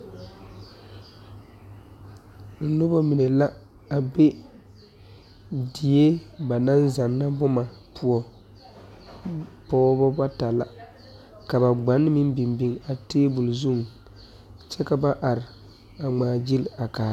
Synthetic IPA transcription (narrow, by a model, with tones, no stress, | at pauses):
n̩˨nʊ˦bɔ˦mi˨nɛ˨la˦ | a˨be˦ | di˨e˦ba˨na˦nza˨nːa˦bʊ˦ma˨pu˨ɔ˨ | pɔː˦bɔ˦ba˦ta˨la̰˨ | ka˨ba˨ɡ͡ba˨˦nːɨ˦mi˦m˦bi˨mbi˦ŋa˨teː˦bu˨lzu˦ŋ˨ | t͡ʃɛ˦ka˨ba˦ʔa˨ɾɪ˨ | a˨ŋ͡maː˨d͡ʒi˦la˨kaː˨˦